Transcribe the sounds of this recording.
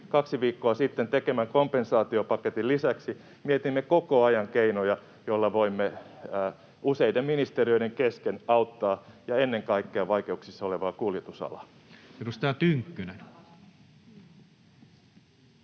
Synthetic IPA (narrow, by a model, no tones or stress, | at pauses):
kɑksiʋiːkːoɑsit̪ːent̪ekemæŋkompensɑːt̪iopɑket̪illisæksi | miet̪imːekokoɑjɑŋkeinojɑ | jolːɑʋoimːe | useidemminist̪eriø̞ideŋkeskenɑut̪ːɑːjɑenːeŋkɑikːeɑʋɑike̞uksisːɑoleʋɑːkuljet̪usɑ̰lɑ̰ | erust̪ɑt̪yŋkːynen